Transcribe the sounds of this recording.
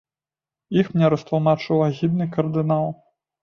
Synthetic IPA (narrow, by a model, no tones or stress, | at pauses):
ixmnʲɛɾɐst̪lˠmat͡ʂɨwaɣʲid̪nɨkɐrd̪ɨnalˠ